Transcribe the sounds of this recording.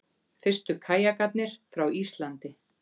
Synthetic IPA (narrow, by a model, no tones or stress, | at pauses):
fɪr̥st̪ʏkʰaːjakat̪̚nɪɾ̥fɾawist̪lant̪ɪ